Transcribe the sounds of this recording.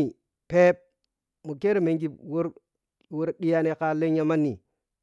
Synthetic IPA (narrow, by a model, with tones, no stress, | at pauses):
i˨ | pe˦p̚ | mu˨ke˦ɾme˨ŋɡi˦˨bwo˦ɾ | wo˦ɾɗi˦ja˦ne˨ka˦le˦ɲ˦a˦ma˦nːi˨